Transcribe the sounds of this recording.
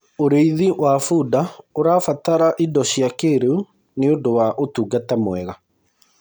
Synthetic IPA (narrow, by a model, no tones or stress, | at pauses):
oɾeiðiʔwafuːdaoɾaːfataɾaʔidɔɕjakeɾeu | neondowaʔotuːɡatamwɛɣa